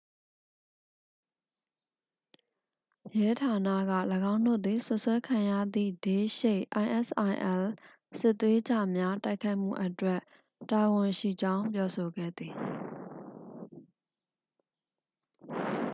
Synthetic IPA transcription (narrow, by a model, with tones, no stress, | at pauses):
jɛ˦tʰa˨na̰˦˨ɡä̰˦˨ləɡã˦ʊ̃ndo̰˦˨d̪i˨sʊ˦ʔswɛ˦kʰã˨jä̰˦˨d̪ðḭ˦˨d̥e˨˦ʃe˦˨ʔʔa˨ɪ̃ʔɛ˦˨sʔa˨ɪʔɛ˦˨l | sɪ˦ʔt̪ːwe˦d͡ʑa˦˨mja˦ta˦ɪkʰːa˦ɪʔm̥ṵ˦˨ʔətwɛ˦ʔ | ta˨wʊ̃˨ʃḭ˦˨d͡ʑã˦ʊ̃mpjɔ˦so˨ɡɛ̰˦˨d̪ði˨